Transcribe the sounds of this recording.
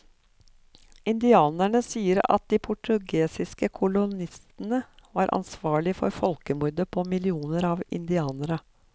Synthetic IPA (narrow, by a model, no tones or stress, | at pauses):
ʔɪnd̪ɪɑːnæɳəsiːəɾɑ̰t̪̚d̪iːpʰʊʈʉɡeːsɪskəkʰʊlʊnɪst̪ənəʋɑːɾʔɑ̰nsʋɑːɭɪfɔ̰ɾfɔlkəmʊɾd̪əpʰoːmɪlɪuːnəɾɑːʋɪ̰nd̪ɪɑːnəɾə